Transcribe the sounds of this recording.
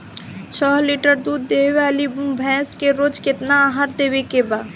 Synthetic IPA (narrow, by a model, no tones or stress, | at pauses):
t͡ʃʰɔɦliʈəɾd̪uːd̪ːeʋalibumbʱɛ̃ːskeɾoːd͡ʒket̪naaɦaɾd̪ewekebaː